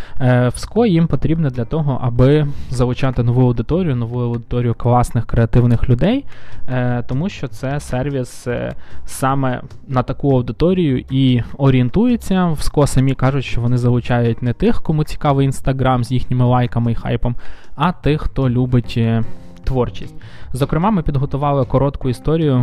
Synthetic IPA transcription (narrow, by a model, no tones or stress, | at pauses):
wskɔjimpɔt̪ɾʲibnɛd̪lʲɐt̪ɔɦɔ̰ʔɐbɪzɐʋʊt͡ʃɑt̪ɪnɔʋuɐwd̪ɪt̪ɔɾʲijʊnɔʋujʊɐwd̪ɪt̪ɔɾʲijʊklˠɑsnɪxkɾeɐt̪ɪwnɪxlʲʊd̪ɛj | t̪ɔmuʃt͡ʃɔt̪sɛsɛrʋʲis | sɑmɛ̰ | nɐt̪ɐkuɐwd̪ɪt̪ɔɾʲijʊʔiɔɾʲient̪ujet͡sʲːɐwskɔsɐmʲikɑʒʊtʲʃt͡ʃɔʋɔnɪzɐʋʊt͡ʃɑjʊtʲnɛt̪ɪxkɔmut͡sʲi̥kɑʋɪjinst̪ɐɦɾɑmzʲjixnʲɪmɪlˠɑjkɐmɪixɑ̰jpɔmɐt̪ɪxːt̪ɔlʲubɪtʲ | t̪ʋɔrt͡ʃisʲtʲzɔkɾɪmɑmɪpʲid̪ɦɔt̪ʊʋɑlˠɪkɔɾɔt̪kʊist̪ɔɾʲijʊ